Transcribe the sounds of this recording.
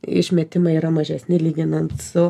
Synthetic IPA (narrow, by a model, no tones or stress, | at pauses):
ɪ̰ʃʲmʲet̪ʲɪmɐɪiːɾɐmɐʒʲɛsʲnʲɪlʲiːɡʲɪnɐnt̪sʊ